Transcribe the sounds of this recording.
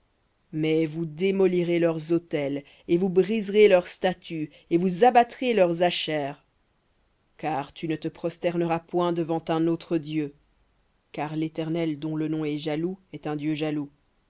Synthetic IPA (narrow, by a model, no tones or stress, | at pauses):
mɛvud̪emɔliʁelœʁzot̪ɛl | evubʁizʁelœʁst̪at̪y | evuzabat̪χelœʁzaʃɛːʁ | kaʁt̪ynət̪əpχɔst̪ɛʁnəʁapwɛ̃d̪əvɑ̃t̪ɛ̃not̪χəd̪jø | kaʁlet̪ɛʁnɛld̪ɔ̃lənɔ̃ɛʒaluɛt̪ɛ̃d̪jøʒalu